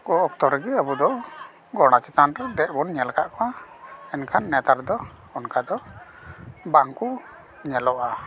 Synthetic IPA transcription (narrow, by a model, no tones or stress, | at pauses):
kɔɔk̚t̪ɔɾɡiabud̪ɔ | ɡɔɽ̃at͡ʃɛt̪anɾɛd̪ɛʔbɔnɲɛlkaʔkɔaɛnkʰanːɛt̪aɾd̪ɔ | ɔnkad̪ɔ | baŋku | ɲɛlɔʔa